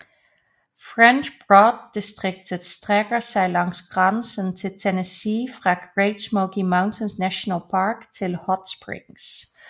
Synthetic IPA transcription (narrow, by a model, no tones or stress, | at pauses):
fʁɛnt͡ʃb̥ʁɔd̚istʁɪk̚tʰəd̥stʁɛɡ̥əsɑɪlɑŋsɡ̥ʁɑnsənt͡sʰe̝ltʰenəsifʁɑ̈ɡ̥ʁeɪtsmoʊkimaʊ̃ntʰənsnæʃonəlˠpʰɑɹktʰelhɒtspɹɪ̰ŋs